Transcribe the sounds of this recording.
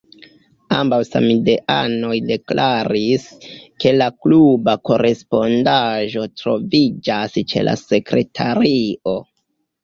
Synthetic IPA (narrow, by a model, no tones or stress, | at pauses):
ambawsa̰mideʔa̰no̞jde̞klʔaɾiske̞laklubako̞ɾe̞spo̞ndaʒo̞tɾo̞vid͡ʒast͡ʃe̞̰lʔa̰se̞kɾe̞tʰaɾio̞